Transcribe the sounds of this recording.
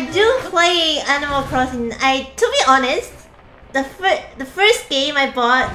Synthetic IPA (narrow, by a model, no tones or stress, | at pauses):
aɪdupʰleanɪməlkʰɹɔsɪ̃na̰ɪtʰubiʔɔnəst | dəfdəfɜ˞st̚ɡ̥ẽmaɪbɔt̚